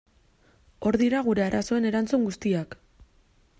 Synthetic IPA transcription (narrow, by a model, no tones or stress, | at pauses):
o̞ɾðiɾaɣ̞uɾe̞aɾʔaso̞e̞ne̞ɾant͡suŋɡust̪iak